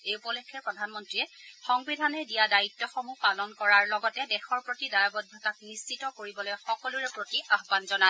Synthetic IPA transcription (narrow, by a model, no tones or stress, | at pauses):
eupɔlekʰːɛpɹɔdʱanmɔntɹiɛxɔŋbidʱanɛdijadaitːɔxɔmupalɔnkɔɹaɹlɔɡɔtɛdɛxɔɹpɹotidajabɔdʱɔkak̚nist͡ʃitɔkoɹibɔlojxɔkɔluɹɛpɹotiʔaɦbanzɔna